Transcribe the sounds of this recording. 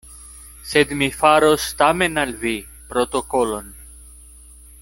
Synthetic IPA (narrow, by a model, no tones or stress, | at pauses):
se̞d̪mifaɾost̪ame̞nalvi | pɾot̪o̞kolo̞n